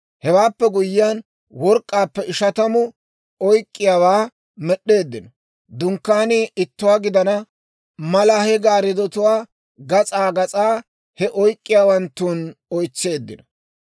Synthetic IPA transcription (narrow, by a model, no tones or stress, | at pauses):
hɛwaːpːɛɡʊjːɪjaːn | wɔɾkʼːaːpːɛʔɪʃɐt̪ɐmʊ | ɔjkʼːɪjaːwaː | mɛɗːe̞ːd̪ːɪnɔ | d̪ʊŋkːaːnɪʔɪt̪ːʊwaːɡɪd̪ɐnɐ | mɐlɐhɛɡaːɾɪd̪ɔt̪ʊwaː | ɡɐt͡sʼaːɡɐt͡sʼaː | hɛʔɔjkʼːɪjaːwɐnt̪ːuːnɔjt͡sːe̞ːd̪ːɪnɔ̥